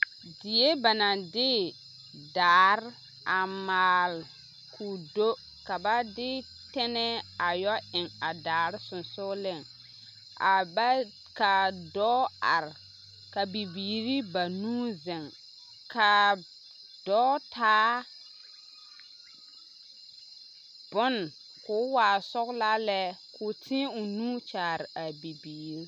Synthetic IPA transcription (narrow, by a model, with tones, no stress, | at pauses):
dɪ˨je˦ba˨na˨dɪ˦ | daː˨ɾ | a˨maː˨l | kʰu˨do˦ | ka˨ba˦dɪ˦ | tɛ˦nɛ˦a˨jɔ˦ɪ˨ŋa˨daː˨ɾsʊ˨nsʊ˦lɪ˦˨ŋ | ʔa˨ba˦ | ka˨dɔː˦a˨ɾ | ka˨bi˨biː˨ɾi˦ba˨nuː˦zɛ˨ŋ | ka˨ | d̥ɔː˦tʰaː˦ | b̥ʊ˦n˨ | kʊː˨˦waː˨sɔ˦ɣla˦lɛ˦kʰʊ˨tʰɪ̃˦ʊ˨nuː˦t͡ʃaː˨ɾɪ˨a˨bi˨biː˨ɾɾi˦